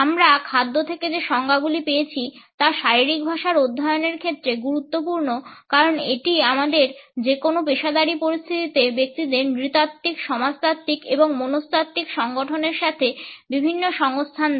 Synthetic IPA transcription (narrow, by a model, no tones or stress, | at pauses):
amɾakʰad̪ːot̪ʰeked͡ʑeʃɔŋɡaɡulipejet͡ɕʰit̪aʃaɾiɾik̚bʱaʃaɾod̪ʱːaeoneɾkʰet̪ːɾeɡuɾut̪ːopuɾnokaɾoneʈiamad̪eɾd͡ʑekonopeʃad̪aɾipoɾist̪ʰit̪it̪ebek̚t̪id̪eɾnɾit̪at̪ːikʃɔmad͡ʑt̪at̪ːikḛboŋmonost̪at̪ːikʃɔŋɡoʈʰoneɾʃat̪ʰebibʱinːoʃɔŋost̪ʰan